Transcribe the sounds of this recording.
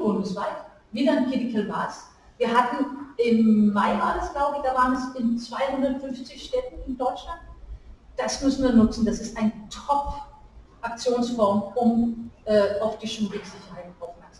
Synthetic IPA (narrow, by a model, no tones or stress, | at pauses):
b̥ʊndəsv̥aɪt | viːdɐɪnkʰɪdɪkl̩vaːs | viːɐɦatn̩ʔɪmːaɪʔaːləsɡ̥laʊbəɪçd̥aːvaːʁənɛsɪnt͡sv̥aɪhʊndɐtfʏnft͡sɪçʃtɛtn̩ɪndɔʏt͡ʃlant̚ | d̥asmʏsn̩viːɐnʊt͡sn̩dasɪstʔaɪnətʰɔp | ʔak̚t͡sjoːnsfɔɐmʊmʔɛːaʊfd̥iːʃumdɪz̥ɪçɐhaɪtʔaʊfmɛɐksa